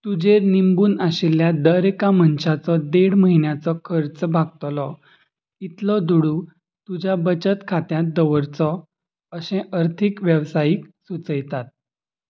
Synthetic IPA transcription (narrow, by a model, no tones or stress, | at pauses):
t̪ud͡ʑeɾnimbuːnaɕiljad̪əɾekamənɕat͡sɔd̪eɽməɦinjat͡sɔkʰəɾt͡sbʱaɡ̚t̪lɔ | it̪lɔd̪uɽu | t̪ud͡ʑabət͡ɕət̪kʰat̪jãt̪̚d̪əʋəɾt͡sɔ | əɕɛ̃ʔəɾt̪ʰikʋjəʋsajiːksut͡səjt̪at̪̚